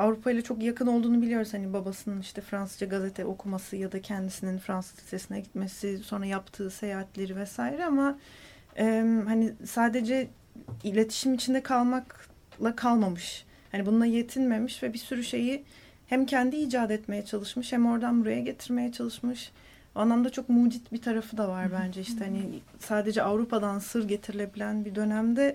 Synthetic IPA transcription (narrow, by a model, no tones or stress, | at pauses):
avɾupʰajlˠat͡ʃʰo̞kjakʰɯno̞lˠd̪uːnubilʲijo̞ɾuz̥hanibabasɯnɯniʃt̪ʰɛfɾansɯzd͡ʒaɡazet̪ʰɛʔo̞kʰumasɯjad̪acʰɛnd̪isininfɾansɯ̥zse̞sinɛɟit̪me̞siso̞nɾajapt̪ʰɯːse̞jaːɦat̪lʲe̞ɾivɛsaːjiɾɛama | ɛmhanisaːd̪e̞d͡ʒɛ | ilʲe̞t̪ʰi̥ʃimit͡ʃʰind̪ɛkʰalˠmak | lˠakʰalˠmamɯʃ | hanibunulˠaje̞t̪ʰinme̞miʃvɛbisyɾyʃe̞ji | hæmcʰɛnd̪iiːd͡ʒaːd̪ɛt̪me̞jɛt͡ʃʰalˠɯʃmɯʃhæmo̞ɾd̪anbuɾajaɟe̞t̪ʰiɾme̞jɛt͡ʃʰalˠɯʃmɯʃ | buanlˠamd̪at͡ʃʰo̞kmud͡ʒit̪bit̪ʰaɾafɯd̪avaɾbænd͡ʒɛiʃt̪ʰɛhani | saːd̪e̞d͡ʒɛavɾupʰad̪ansɯɾɟe̞t̪ʰiɾilʲe̞bilʲænbid̪ø̞næmd̪ɛ